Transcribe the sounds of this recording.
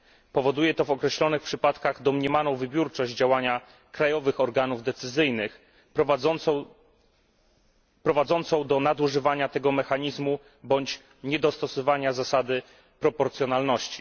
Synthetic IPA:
pɔvɔd̪ujɛt̪ɔvɔkɾɛɕlɔnɘxpʂɘpat̪kaɣd̪ɔmɲɛmanɔ̃w̃vɘbʲjuɾt͡ʂɔʑd͡ʑd͡ʑawaɲa | kɾajɔvɘxɔɾɡanuvd̪ɛt̪sɘzɘjnɘx | pɾɔvad̪zɔnt̪sɔ̃w̃d̪ɔnad̪uʐɘvaɲat̪ɛɡɔmɛxaɲizmu | bɔɲt͡ɕ | ɲɛd̪ɔst̪ɔsɔvaɲazasad̪ɘ | pɾɔpɔɾt̪sʲjɔnalnɔɕt͡ɕi̥

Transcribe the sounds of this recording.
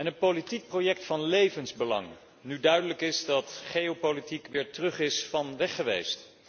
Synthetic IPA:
ɛnənpolitik̚prowjɛk̚tfɑnlejvənzbəlɑ̰ŋ | nydœɥdələkɪzdɑtχejowpolitikʋɪːɹtrɵχɪsfɑnʋɛχəʋḛjst

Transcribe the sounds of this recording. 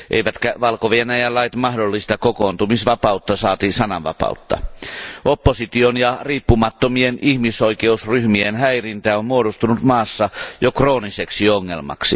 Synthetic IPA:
ʔḛjʋæt̪kæʋɑlkoʋienæjælːɑit̪mɑhdolːist̪ɑkokoːnt̪umisʋɑpɑut̪ːɑsɑːt̪isɑnɑ̰ʋɑ̰pɑ̰ut̪ːɑ̰opːosit̪ionjɑriːpːumɑt̪ːomienihmiso̞ijkeusryhmienhæirint̪æːommuodust̪unut̪mɑːsːɑjokro̞ːniseksioŋːelmɑ̰ksḭ

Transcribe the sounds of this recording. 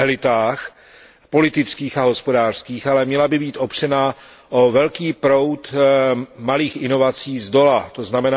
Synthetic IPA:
ɛlɪt̪aːx | po̞lɪt̪ɪt͡skiːxaɦo̞spo̞daːr̥skiːxalɛmɲɛlabɪbiːt̪ʔo̞pr̝̥ɛna | ʔo̞vɛlkiːpɾo̞wt̪ | maliːxʔɪno̞vat͡siːzdo̞lat̪oznamɛna

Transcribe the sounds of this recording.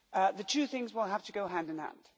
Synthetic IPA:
ʔðɨtʰʉθɪ̃ŋzwilˠɦæftʰɨɡoʊɦæ̃ndɨ̃nhæ̰̃nd̥

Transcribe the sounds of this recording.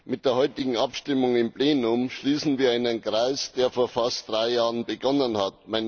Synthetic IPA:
mɪt̚d̥eːɐhɔʏtɪɡŋ̩apʃtɪmʊŋɪmpleːnʊmʃliːsn̩viːɐaɪnənkʁ̥aɪsd̥eːɐfoːɐfast̚d̥ʁaɪjaːʁənbəɡɔnənhat̚maɪn

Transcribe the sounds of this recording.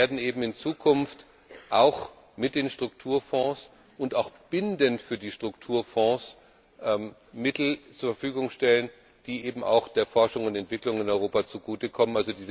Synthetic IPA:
eːɐdn̩ʔeːbm̩ɪnt͡suːkʰʊnft | ʔaʊx | mɪt̚d̥eːnʃtʁ̥ʊk̚tʰuːɐfɔ̃ːs | ʔʊntaʊxb̥ɪndəntfyːɐdiːʃtʁ̥ʊktʰuːɐfɔ̃ːs | ʔɛm | mɪtl̩t͡suːɐfɛɐfyːɡʊŋʃtɛlən | d̥iːʔeːbm̩a̰ʊxd̥eːɐfɔɐʃʊŋʊntɛntv̥ɪklʊŋɪnɔʏʁoːpat͡suɡuːtəkʰɔmənʔalzodiːz

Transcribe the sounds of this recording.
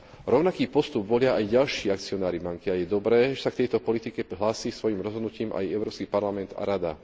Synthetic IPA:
ɾɔʊnakiːpɔst̪ubʋɔlɪaʔajɟalʃiːak̚t͡siɔnaːɾibaŋkiajɛd̪ɔbɾɛːʒɛsakt̪ɛjt̪ɔpɔlit̪ikɛɦlaːsiːsʋɔjimɾɔzɦɔd̪nuciːmʔa̰jɛʊɾɔːpskipaɾlamɛnd̪a̰ɾad̪a̰

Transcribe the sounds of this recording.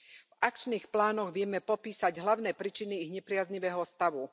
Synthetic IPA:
vakt͡ʃniːxplaːnɔɣʋɪɛmɛpɔpiːsaɟɦlaʊnɛːpɾiːt͡ʃiniːɣɲɛpɾɪazɲiʋɛːɦɔst̪aʋu

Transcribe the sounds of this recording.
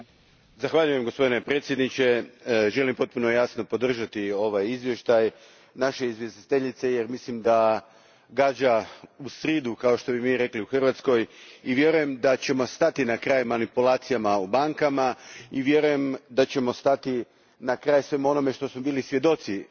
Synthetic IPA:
zaxʋaʎuje̞mɡospo̞d̪ine̞pɾe̞t̪sjed̪nit͡ɕe̞ʒe̞limpo̞t̪̚puno̞jasno̞po̞d̪r̩ʒat̪io̞ʋajizʋje̞ʃt̪aj | naʃe̞izʋjest̪i̥t̪eʎit̪se̞jeɾmislimd̪a | ɡaːd͡ʑausɾiːd̪ukao̞ʃt̪o̞bimiːɾe̞kliuxr̩ʋat̪sko̞jiʋje̞ɾuje̞md̪at͡ɕe̞mo̞st̪at̪inakɾaːjmanipulaːt̪sijamaubaŋkamaiʋje̞ɾuje̞md̪at͡ɕe̞mo̞st̪at̪i | nakɾaːjsʋe̞muo̞no̞me̞ʃt̪o̞smo̞biːlisʋje̞d̪o̞t̪si

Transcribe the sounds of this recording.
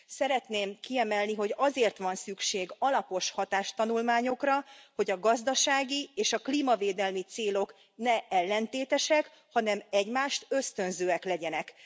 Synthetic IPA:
sɛɾɛt̪neːmkiɛmɛlniɦo̞ɟɒzeːrt̪ʋɒnsykʃeːɡɒlɒpo̞ʃhɒt̪aːʃt̪ɒnulmaːɲo̞krɒho̞ɟɒɡɒzd̪ɒʃaːɡieːʃɒklimɒveːd̪ɛlmit̪seːlo̞k | nɛɛlːɛnt̪eːt̪ɛʃɛk | hɒnɛmɛɟmaːʃt̪ø̞st̪ø̞nzøːɛklɛɟɛnɛk

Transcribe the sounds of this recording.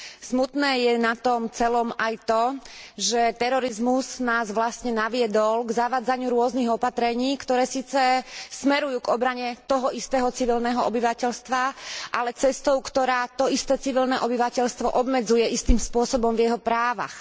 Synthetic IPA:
smut̪nɛːjɛnat̪ɔmt͡sɛlɔmajt̪ɔʒɛt̪ɛɾɔɾizmuznaːzʋlasɲɛnaʋɪɛd̪ɔlɡzaʋaːd͡zaɲɪuɾʊɔzniɣɔpat̪ɾɛɲiːkt̪ɔɾɛːsiːt͡sɛsmɛɾujuːɡɔbɾaɲɛt̪ɔɦɔʔist̪ɛːɦɔt͡siʋilnɛːɦɔɔbiʋacɛʎst̪ʋaʔalɛt͡sɛst̪ɔʊkt̪ɔɾaːt̪ɔist̪ɛːt͡siʋilnɛʔɔbiʋacɛʎst̪ʋɔʔɔbmɛd͡zujɛʔist̪iːmspʊɔsɔbɔmvjɛɦɔpɾaːʋa̰x

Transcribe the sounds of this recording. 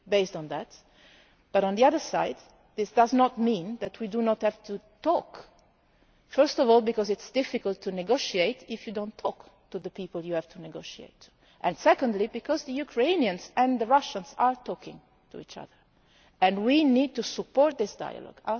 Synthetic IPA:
beɪstɔ̃nd̪æt̪ | b̥aɾɔ̃nðiaðə˞sa̰ɪd̪ | ðɪsd̪aznɔt̪̚mĩnd̪æt̪widunɔt̪hɛvt̪ʰut̪ɔk | fɜɹst̪ɔvɔlˠbikɔzɪtsd̥̪ɪfikəlt̪ʰːunɛɡoʃiet̪ɪfjudõnt̪ʰːɔkt̪uðəpiːpəljuhɛvt̪ʰunɛɡoʃiḛɪt̪ʰu̥ | ʔɛ̃nsɛkɔ̃nd̪libikɔzðəjukʰɹeɪniə̃nzɛ̃nd̪əɹaʃə̃nzaɹt̪ʰɔkɪ̰̃ŋ | t̪ʰṵḭːt͡ʃa̰ðəɹ | ɛ̃nwinid̚t̪usupːɔɹt̪̚ðɪsda̰ja̰lɔ̰ɡa

